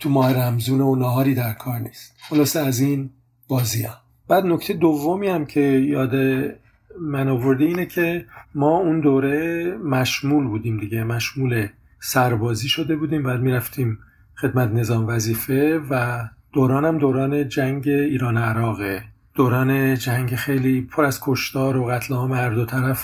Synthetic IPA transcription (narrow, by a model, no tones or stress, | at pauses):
t̪ʰumɒːheɾæmzuːneonɒːɦɒːɾiːd̪æɾkʰɒːɾniːst̪χolɒːseæziːn | b̥ɒːziɒ̰ː | b̥æːd̪noct̪ʰejed̪ovːomiːhæmcʰe̞jɒːd̪e | mænovo̞ɾd̪eiːnecʰe̞mɒːund̪oːɾemæʃmuːlbuːd̪iːmd̪iɟemæʃmuːle̞ | sæɾbɒːziːʃo̞d̪e̞buːd̪iːmbæːd̪̚miːɾæft̪ʰiːm | xe̞d̪mæt̪ne̞zɒːmvæziːfe̞væd̪̥oːɾɒːnæmd̪oːɾɒːne̞d͡ʒæŋɟe̞iːɾɒːneæɾɒːɣe | d̪̥oːɾɒːne̞d͡ʒæŋɟexe̞jliːpʰoɾæzkʰoʃt̪ɒːɾoɣæt̪ʰlehɒːmehæɾd̪ot̪ʰæɾæf